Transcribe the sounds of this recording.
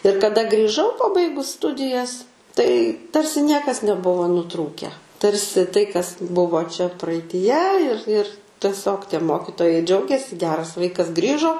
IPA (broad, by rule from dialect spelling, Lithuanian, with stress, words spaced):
ɪr kɐˈdɐ ɡrʲiːˈʒɐʊ pɐˈbɐɪɡʊs ˈstʊdʲɪjɛs tɐɪ ˈtɐrʲsʲɪ ˈnʲiɛkɐs nʲɛˈbʊʋoː nʊˈtruːkʲæː ˈtɐrʲsʲɪ tɐɪ kɐs ˈbʊʋoː t͡ʃʲɛ prɐɐɪtʲiːˈjɛ ɪr ɪr tʲɛˈsʲoːk tʲiɛ ˈmoːkʲɪtoːjɛɪ ˈd͡ʒʲɛʊɡʲeːsʲɪ ɡʲˈæːrɐs ˈʋɐɪkɐs ˈɡrʲiːʒoː